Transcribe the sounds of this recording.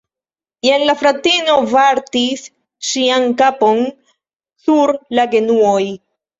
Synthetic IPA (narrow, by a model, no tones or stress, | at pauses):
enlafɾatino̞vaɾtis | ʃiankapo̞n | suɾlaɡe̞nuoj